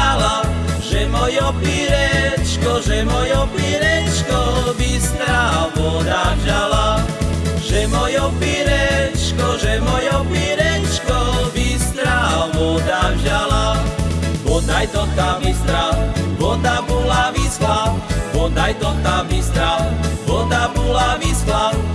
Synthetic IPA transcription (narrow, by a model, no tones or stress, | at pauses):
alaʒɛmɔjɔpiɾɛt͡ʃkɔʒɛmɔjɔpiɾɛt͡ʃkɔʋist̪ɾaʋɔd̪avʒala | ʒ̥ɛmɔjɔpiɾɛt͡ʃkɔʒɛmɔjɔpiɾɛt͡ʃkɔʋist̪ɾawʋɔd̪avʒala | ʋɔd̪ajd̪ɔt̪aʋist̪ɾawʋɔd̪abɔlaʋislaʋɔd̪ajd̪ɔt̪aʋist̪ɾaʋɔd̪abɔlaʋislaw